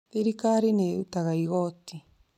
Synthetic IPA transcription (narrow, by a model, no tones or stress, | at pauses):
eɾikaɾineut̪aɣaiɣot̪i